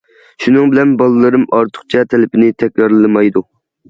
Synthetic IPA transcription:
ʃunɨŋbɪlɛnbɑlˠɨlˠɨɾɨmɑɾt̪ʰʊ̥χt͡ʃʰɛt̪ʰelɪpʰɪnɪt̪ʰɛkʲɾɑɾlɨmɑjd̪u

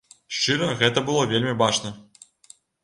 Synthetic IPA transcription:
ʂt͡ʂɨɾɐɣɛt̪ɐbɨlˠovʲelʲmʲibat͡ʂnɐ

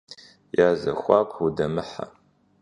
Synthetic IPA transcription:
jaːzɐ̰xʷɑːkʷʰʼudɐmɨħa̰

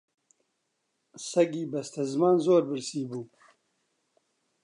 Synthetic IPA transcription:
sɐɡiːbɐst̪ʰɐzɨmaːnzoːɾbɨɾsiːbuː

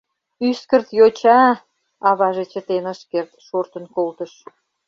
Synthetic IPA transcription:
yskərt̪jot͡ɕɑ | ɑβɑʒet͡ɕət̪enəʃkert̪ʃort̪ənkolt̪əʃ

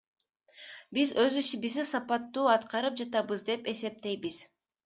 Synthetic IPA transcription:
bizøzyʃibizisɑpɑt̪ːuːɑt̪qɑɾɯp̚d͡ʒɑt̪ɑbɯzd̪e̞pe̞se̞p̚t̪e̞jbiz̥

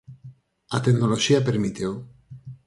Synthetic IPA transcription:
at̪eɡnoloʃiapeɾmit̪eo

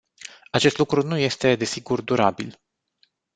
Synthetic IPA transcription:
at͡ʃe̞st̪lukɾunuje̞st̪e̞d̪e̞siɡurd̪uɾabḭl

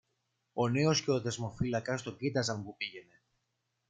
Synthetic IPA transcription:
o̞ne̞o̞sceo̞ðe̞zmo̞filɐkɐst̪o̞ɟit̪ɐzɐmpupiʝe̞ne̞

